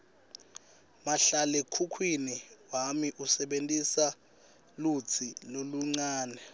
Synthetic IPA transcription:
maɬalekʰukʰwiniwamiʔusɛɓentʼisa | lut͡sʰiloluŋ͡ǀaːnɛ

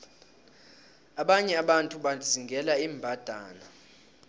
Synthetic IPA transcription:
aɓaɲɛaɓantʼuɓaziŋɡʱɛlaiːmbʱad̥ʱaːna

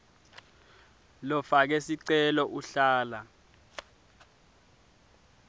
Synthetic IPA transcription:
lɔfak̬ɛsiǀɛlɔʔuɬaːla

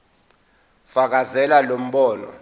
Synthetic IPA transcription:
fak̬azɛlalom̩ɓɔːnɔ̰

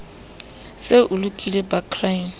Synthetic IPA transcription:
sɪʔʊlukʼilebakʰraim̩

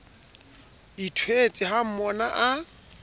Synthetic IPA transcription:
itʰwet͡sʼɪɦam̩mɔnaʔa

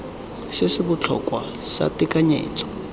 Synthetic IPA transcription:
sɪsɪbʊt͡ɬʰɔ̰kwasa̰tikʼaɲḛːt͡sʼɔ̥

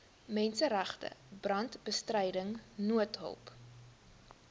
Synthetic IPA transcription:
mɛnsəɾæχtə̰brɐntbəstrɛjdəŋnuətɦə̰lˠp

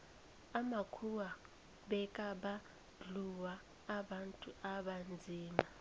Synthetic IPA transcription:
amakʰuwa | ɓɛkʼaɓa | ɮuwaː | ɓantʼuaɓand͡zʱiːma

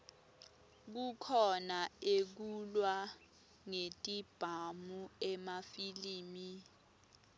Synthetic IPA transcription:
k̬ukʰɔnaek̬ulwa | ŋetʼib̥ʱamuɛmafiliːmi

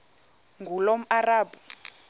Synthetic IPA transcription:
ŋɡʱulom̩araːbu

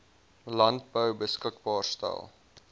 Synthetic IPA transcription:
lɐnt̚bəwbəskəkbɑːrstæ̰lˠ

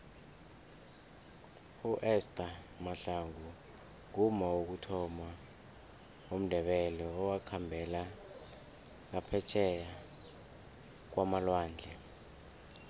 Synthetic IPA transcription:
uʔɛstʼa | maɬaŋʱu | ŋumauk̬utʰɔma | om̩d̥ʱɛɓɛlɛɔwakʰambʱɛla | ŋapʰɛt͡ʃʰɛja | k̬wamalwaːnd͡ɮʱɛ

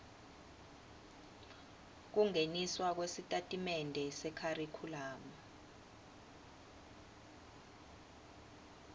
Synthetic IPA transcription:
k̬uŋeniswak̬wesitʼatʼimɛndʱɛsɛkʰarikʰulaːma

